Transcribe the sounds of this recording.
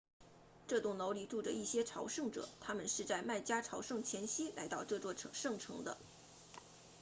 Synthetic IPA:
ʈ͡ʂɤ˥˧t̪ʊ˥˩ŋno˧˥ʊli˧˥˩ʈ͡ʂu˥˩ʈ͡ʂə˩i˥˩ɕjɛ˥ʈ͡ʂʰɑ˧˥ʊʂɤ˥˩ŋʈ͡ʂɤ̰˨˩˦t̪ʰa˥mə˨nʂɻ̩˥˧t͡sa˥˧ɪma˥˩ɪt͡ɕja˥ʈ͡ʂʰɑ˧˥ʊʂɤ˥˩ŋt͡ɕʰjɛ˧˥nɕi˥la̰˧˥ɪt̪ɑ˥˧ʊʈ͡ʂɤ˥˧t͡swɔ˥˩˧ʂɤ˥˩ŋʈ͡ʂʰɤ̰˧˥ŋd̪ə̰˧

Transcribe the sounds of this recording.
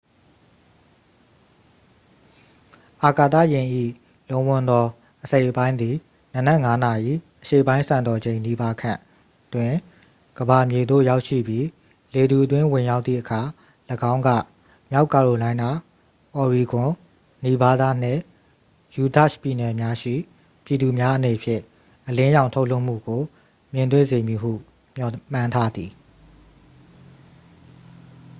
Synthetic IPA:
ʔa˨ka˨t̪ä̰˦˨jɪ̃˨ʔḭ˦˨ | lõ˨ʊ̃wʊ̃˨nd̪ɔ˦ | ʔəse˦ɪʔəpã˦ɪ̃nd̪i˨ | nə˨nɛ˦ʔŋa˦na˨ʔḭ˦˨ʔəʃḛ˦˨əpã˦ɪ̃sʰã˨ndɔ˨d͡ʑẽ˨ɪ̃ni˦ba˦kʰã˨ | twɪ̃˨ | ɡ̥əba˨mje˨d̪o̰˦˨ja˦ʊʔʃḭ˦˨bji˦ | le˨d̪u˨ʔət̬wɪ̃˦wɪ̃˨ja˦ʊt̪θḭ˦˨ʔəkʰa˨ | ləɡã˦ʊ̃ŋɡä̰˦˨ | mja˦ʊkːa˨ɹo˨lã˦ɪ̃na˨ | ʔɔ˨ɹi˨ɡʊ̃˨ | ni˨ba˦d̪a˦˨n̥ɪ̰̃˦˨ | ju˨da˦˨ʃpi˨nɛ˨mja˦ʃḭ˦˨ | pji˨d̪u˨mja˦ʔəne˨pʰjɪ̰̃˦˨ | ʔəlɪ̃˦jã˨ʊ̃tʰo˦ʊlo˦˨ʔm̥ṵ˦˨ɡo˨ | mjɪ̃˨nt̪wḛ̃˦˨ze˨mji˨ɦṵ˦˨ | m̥jɔ˨m̥ã˦ntʰa˦d̪i˨

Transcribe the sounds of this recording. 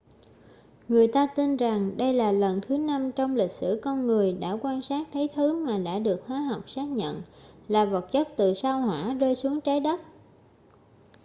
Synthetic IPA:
ŋɨ˨˩əjt̪aː˧t̪i˧nza˨˩ŋɗə˧jlaː˨˩lə˨˩nt̪ʰɨ˨˦na˧mt͡ɕɔ˧wŋ͡mlï˨˩k̟̚sɨ̰˧˩kɔ˧nŋɨ˨˩əjɗa̰ː˧˥˩kwaː˧nsaː˦˥k̚t̪ʰə˨˦jt̪ʰɨ˨˦maː˨˩ɗa̰ː˧˥ɗɨ˨˩ək̚hwaː˨˦ɦa˨˩wk͡p̚saː˦˥k̚ɲə̰˧˨nlaː˨˩və˨˩t̚t͡ɕə˦˥t̚t̪ɨ̰˧˨saː˧whwa̰ː˧˥˩zəː˧jsu˨˦əŋt͡ɕaː˨˦jɗə˦˥t̚

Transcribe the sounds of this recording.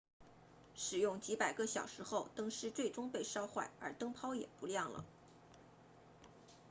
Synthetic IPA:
ʂɻ̩˨˩jʊ˥˩ŋt͡ɕi˧˥pa˨˩ɪkə˧ɕjɑ̰˨˩ʊʂɻ̩˧˥xo˥˧ʊt̪ɤ˥ŋʂɻ̩˥˧t͡swe˥˩ɪʈ͡ʂʊ˥ŋpe˥˧ɪʂɑ˥ʊxwa˥˩ɪə̰˞˧˥t̪ɤ˥ŋpʰɑ˥ʊjɛ̰˨˩pu˧˥ljɑ˥˩ŋlə̰˩

